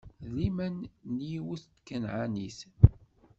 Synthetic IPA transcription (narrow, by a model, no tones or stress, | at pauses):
limænːjiwuθt̪kːənʕanis